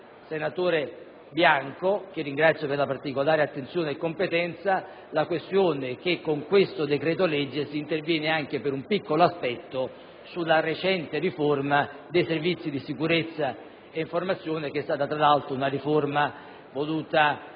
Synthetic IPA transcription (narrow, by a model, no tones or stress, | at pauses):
senat̪oːɾe | bjaŋkok̟ɪrːiŋɡɾat̪sːjoperlapart̪ikolaːɾeat̪ːent̪sjoːneːkːompet̪ɛnt̪sa | lakwest̪joːnek̟ekːoŋkwest̪od̪ekɾɛːt̪olɛd͡ʒːesiːnt̪ervjɛːneaŋkepeɾumpikːoloaspɛt̪ːo | sulːaret͡ʃɛnt̪eriformad̪ejservit̪sːid̪isikuɾet̪sːa | eiɱformat̪sːjoːnek̟eɛst̪aːt̪at̪ɾalalt̪ɾounariforma | voluːt̪a